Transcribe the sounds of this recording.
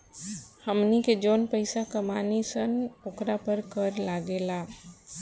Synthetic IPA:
həmniked͡ʒoːnpəɪsakəmaːnisənoːkɾapəɾkəɾlaːɡelaː

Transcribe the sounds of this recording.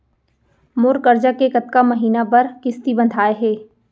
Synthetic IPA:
mʊɾkɐɾd͡ʒakekɐt̪kamɐɦiːnapɐɾkɪst̪ibɐ̃nd̪ʱaːeɦɛː

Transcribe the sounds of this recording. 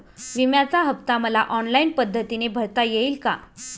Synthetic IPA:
ʋimjat͡saɦəpt̪aməlaʔɔnlainpəd̪ʱːət̪inebʱəɾt̪ajeiːlka̰

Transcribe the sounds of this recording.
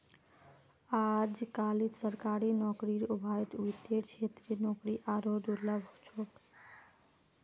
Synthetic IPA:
ad͡ʒkalid͡ʒsəɾkaɾinɔkɾiɾubʱajt̪wit̪eʈt͡ʃʰet̪ɾinɔkɾiʔaɾod̪uləbʱot͡ʃʰoʈ

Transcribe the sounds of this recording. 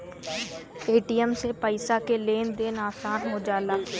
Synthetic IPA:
eːʈijəmsepəɪsakeleːnd̪eːnaːsaːnɦʊd͡ʒaːlaː

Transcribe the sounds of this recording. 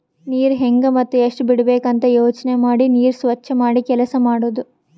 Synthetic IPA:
niːɾɦeŋɡɐmɐt̪ːuɐʂʈubiɽɐbeːkɐnt̪ɐjoːt͡ʃɐnemaːɽiniːɾsʋɐt͡ʃːɐmaːɽikɛlɐsɐmaːɽoːd̪u

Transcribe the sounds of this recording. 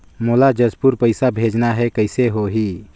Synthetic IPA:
molad͡ʒəd͡ʒpuɾpəɪsabʱed͡ʒnaɦɛkəɪseɦoɦi

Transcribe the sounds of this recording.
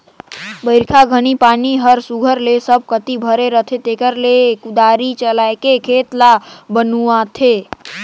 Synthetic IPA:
bəɪɾkʰaɡʱənipaniɦəɾsuɡʱəɾlesəb̚ʱkət̪ibʱəɾeɾət̪ʰet̪ekəɾlekud̪aɾit͡ʃəlaekekʰet̪labənuãt̪ʰe

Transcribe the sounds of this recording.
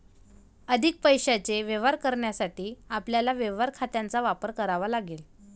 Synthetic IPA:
əd̪ʱik̚pəjɕat͡seʋjeʋaɾkəɾɳjasaʈiːapljalaʋeʋaɾkʰat̪jãnt͡saʋapəɾkəɾaʋalaɡel

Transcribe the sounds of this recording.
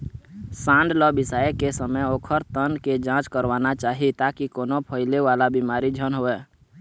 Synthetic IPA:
sãːnɖ̪lɔbɪsaːekesəməoːkʰəɾt̪ənked͡ʒãːt͡ʃkəɾwaːnat͡ʃaːɦit̪aːkikoːnopʰəɪleʋaːlabimaːɾid͡ʒʱənɦoːɛː

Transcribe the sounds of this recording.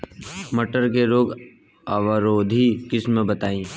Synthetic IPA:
məʈəɾkeɾoːɡ | aʋəɾoːd̪ʱikɪsmbət̪aːĩː

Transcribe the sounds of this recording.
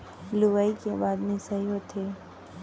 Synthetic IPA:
luʋaikebaːd̪mĩsɐɦiɦot̪ʰeː

